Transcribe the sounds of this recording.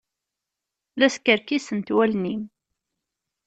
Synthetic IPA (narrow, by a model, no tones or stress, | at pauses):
læskəɾkisənt̪wælnim